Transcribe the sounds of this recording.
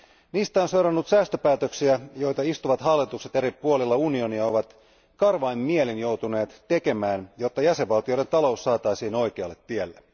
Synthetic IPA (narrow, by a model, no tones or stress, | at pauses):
niːst̪æonsewɾɑnːut̪sæːst̪ø̞pæːt̪øksiæjo̞jt̪ɑist̪uʋɑt̪ɦɑlːit̪ukset̪e̞ɾipuolilːɑunio̞niɑo̞ʋɑt̪ | kɑrʋɑimːielinjo̞wt̪une̞ːt̪t̪e̞ke̞mæːnjo̞t̪ːɑjæseʋʋɑlt̪ijo̞jɾe̞nt̪ɑlo̞usːɑːt̪ɑjsiːno̞jkeɑlːet̪tːielːe